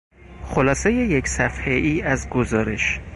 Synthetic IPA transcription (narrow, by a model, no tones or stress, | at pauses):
xolɒːseje̞jeksæfheʔiːæzɡozɒːɾe̞̰ʃ